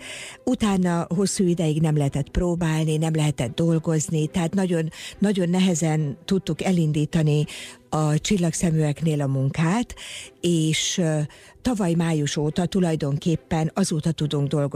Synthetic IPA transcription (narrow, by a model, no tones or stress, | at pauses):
ut̪aːnːɒɦo̞sːuːid̪ɛjiɡnɛmlɛɦɛt̪ɛt̪proːbaːlninɛmlɛɦɛt̪ɛd̪d̪o̞lɡo̞znit̪ɛɦaːt̪nɒɟo̞nːɒɟo̞nːɛɦɛzɛnt̪ut̪ːukɛlind̪iːt̪ɒniɒt͡ʃilːɒksɛmyɛkneːlɒmuŋkaːt̪eːʃ | t̪ɒvɒjmaːjuʃoːt̪ɒt̪ulɒjd̪o̞ŋkeːpːɛnɒzoːt̪ɒt̪ud̪uŋɡ̚d̪o̞lɡo